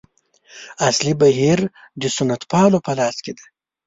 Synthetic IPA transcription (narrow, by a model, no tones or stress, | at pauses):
aslibaɦiɾ | d̪əsʊnat̪pɑːlopɐlɑːsked̪a